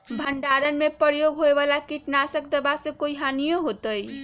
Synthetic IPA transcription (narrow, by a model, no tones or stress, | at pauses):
bʱəɳɖaɾənmepəɾjoɡɦoeβalakiʈnasəkd̪əbasẽkoiɦanijoɦot̪əj